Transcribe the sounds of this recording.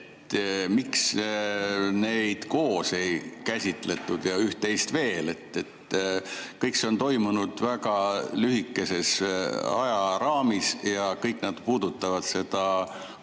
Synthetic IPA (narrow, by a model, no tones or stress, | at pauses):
t̪miks | ne̞jd̪̥ko̞ːse̞jkæsʲit̪ˑle̞t̪ːˑud̪̥jɑyht̪ːe̞jst̪ve̞ːle̞t̪ːe̞t̪ː | kɤjkse̞o̞nt̪o̞jmunud̪̥væɡɑlyɦikːe̞se̞sɑ̰jɑɾɑːmisjɑkɤjkˑnɑd̪̥puːd̪̥ut̪ːˑɑvɑd̪̥se̞d̪̥ɑ